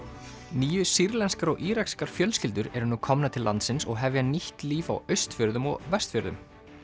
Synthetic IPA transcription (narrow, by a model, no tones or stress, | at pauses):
niːjʏsiɾlɛnskaɾɔɣʔiːɾakskaɾ̥fjœlscɪlt̪ʏɾɛɾʏnukʰɔmnat̪ʰɪlːa̰nt̪sɪnsɔɣɦɛvjaniht̪liːfawœɥst̪fjœɾðʏmɔ̰ɣvɛst̪fjœɾðʏm